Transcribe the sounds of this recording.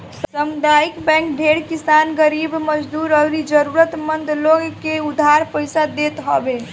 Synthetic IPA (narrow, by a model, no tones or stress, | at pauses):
ssəmud̪aikbɛ̃ŋk̚bʱeɽkisanɡəɾibməd͡ʒd̪uɾəɡɾid͡ʒəɾuɾət̪mənd̪ʱloɡkeud̪ʱːaɾpəjsad̪et̪ɦəbe